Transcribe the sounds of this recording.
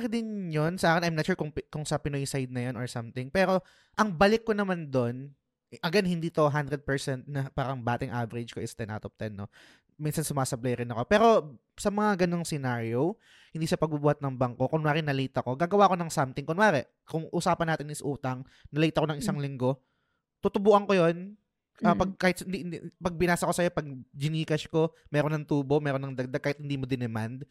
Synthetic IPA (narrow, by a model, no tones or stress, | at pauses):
kɪd̪ɪnjonsɐʔaːkɪnʔɐjmnɐt̪t͡ʃuːɹkʊŋpkʊŋsɐpɪnojsajd̪̚nɐjonɔɹsamt̪ɪŋpɛːɾo̞ | ʔɐŋbɐlɪkːonɐmand̪o̞n | ʔɐɡɛnhɪnd̪iːt̪o̞ɦand̪ɾɛd̪̚pɛɹsɛnt̪̚nɐpaːɾɐŋbaːt̪ɪŋʔavɛɾɪd͡ʒkoʔɪst̪ɛna̰ːt̪op̚t̪ɛnːo̞ | minsɐnsʊmaːsɐblɐjɾɪnɐko̞pɛːɾo̞ | sɐmɐŋaɡɐno̞ŋsɛnaɹjow | hɪnd̪iːsɐpɐɡ̚bubuːhɐt̪nɐŋbɐŋko̞konwaːɾɛnɐliːt̪ɐko̞ɡaːɡɐwaːʔko̞nɐŋsamt̪ɪŋkonwaːɾɛʔ | kʊŋʔʊsaːpɐnaːt̪ɪnɪsʔuːt̪ɐŋ | nɐlɐiːt̪ɐʔkonɐŋʔɪsaŋlɪŋɡo̞ | t̪ʊt̪ʊbuːʔɐŋko̞jo̞n | ʔɐpɐɡ̚kaːhɪt̪snd̪ipɐɡ̚bɪnaːsɐko̞sɐjo̞pɐɡ̚d͡ʒɪniːkɐʃko̞ | mɛːɾonːɐŋt̪uːbo̞mɛːɾonɐŋd̪ɐɡ̚d̪aɡ̚kaːhɪt̪̚hɪnd̪iːmo̞d̪ɪnɛmand̪